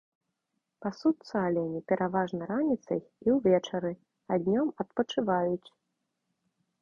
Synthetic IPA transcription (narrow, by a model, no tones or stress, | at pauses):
pasut̪sɐalʲɛnʲipʲɛɾʔavaʐnɐɾanʲit̪sɐ̰jiwvʲɛt͡ʂɐɾɨ | ad̪ʲnʲɔmɐt̪̚pɐt͡ʂɨvajut͡sʲ